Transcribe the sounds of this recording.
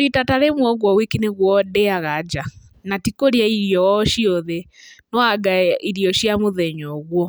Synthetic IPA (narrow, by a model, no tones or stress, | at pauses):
itataɾemwɔɣwɔwikineɣwɔdɛaɣad͡ʒa | natikoɾjaiɾiɔʃiɔðɛnɔaɡaiɾiɔʃjamoðɛɲɔɣwɔ